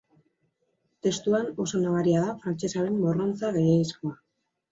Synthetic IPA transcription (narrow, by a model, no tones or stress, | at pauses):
t̪e̞st̪uano̞so̞naβaɾiaðafɾant͡ʃe̞saɾemːoro̞nt͡saɣejeisko̞a